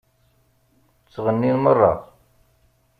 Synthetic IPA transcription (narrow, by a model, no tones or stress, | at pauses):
t͡sːʁənːinmərˤːɑ̰